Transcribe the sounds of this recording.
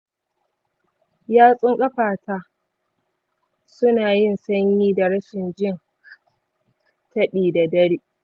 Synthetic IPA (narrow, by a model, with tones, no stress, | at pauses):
jaː˦sʼʊ˦ŋkʼɐ˦ɸaː˨tʰaː˦ | sʊ˦naː˨jɪ˦˨nsɐ˦ɲjiː˦da˨ɽɐ˦ʃɪ˨nd͡ʒɪ˦n | tɐ˦ɗiː˨da˨dɐ˦ɽiː˦